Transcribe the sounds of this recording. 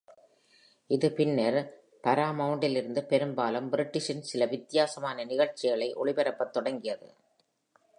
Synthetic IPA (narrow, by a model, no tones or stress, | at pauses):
ɪðɯpɪnːɐɾ | p̪ɐɾaːmɐʊɳɖɪlɪɾɯnd̪ɯpɛɾɯmbaːlɐmbɪɾɪʈːɪʂɪnsɪlɐʋɪt̪ːɪjaːsɐmaːnɐnɪɣɐɭt͡ʃɪɣɐɭɐɪʔɔ̰ɭɪpɛɾɐpːɐt̪ːɔɽɐŋɡɪjɐðɯ̰